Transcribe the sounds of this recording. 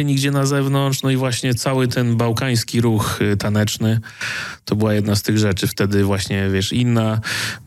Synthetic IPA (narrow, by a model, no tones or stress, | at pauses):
ɛɲiɡd͡ʑɛnazɛvnɔntt͡ʂnɔivwaɕɲɛt̪sawɘt̪ɛnbawkaj̃skʲiɾuxt̪anɛt͡ʂnɘt̪ɔbɘwajɛd̪nast̪ɘɣʐɛt͡ʂɘft̪ɛd̪ɘvwaɕɲɛvʲjɛʂinːa